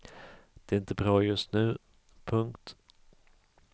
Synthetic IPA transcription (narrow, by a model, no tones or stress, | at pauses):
d̪̥ɛæɾɪnt̪əbɾɑːjɵst̪nʉ̟ː | pʰɵŋkt̪